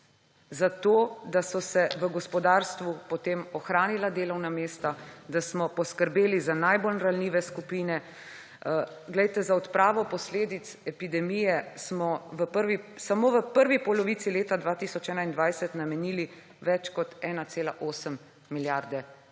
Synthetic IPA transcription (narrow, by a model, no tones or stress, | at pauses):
zat̪oːd̪asɔsɛʋəɡɔspɔd̪aːɾst̪ʋupɔt̪emɔxɾaːnilad̪eːlɔwnameːst̪ad̪asmɔpɔskəɾbeːlizanajbolɾalniːʋɛskupiːnɛ | ɡlɛjt̪ɛzaɔt̪pɾaːʋɔpɔsleːd̪it̪sɛpid̪ɛmijɛsmɔʋəpəɾʋisamoːʋəpəɾʋipɔlɔʋit̪sileːt̪ad̪ʋaːt̪isɔt͡ʃɛːnaind̪ʋajsɛt̪namɛniːli | ʋɛt͡ʃkɔt̪ɛːnat̪seːlaʔoːsəmː | iljaɾd̪ɛ